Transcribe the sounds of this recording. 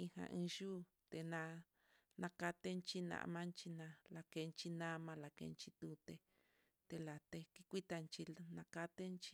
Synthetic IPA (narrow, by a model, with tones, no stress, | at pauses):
ĩ˧hã̰˧ʔĩ˧ʒuː˦ | t̪e˧nã˧ | nã˧ka˧t̪e˦nt͡ʃi˦nã̰˧ʔmã˦nt͡ʃi˧nã˧la˧ke˧nt͡ʃi˧nã˦mã˧la˨kḛ˧nt͡ʃi˧t̪u˧t̪e˧ | t̪e˧la˨t̪e˧ki˦kʷi˦t̪a˧nt͡ʃi˧nã˧ka˧t̪e˦nt͡ʃi˧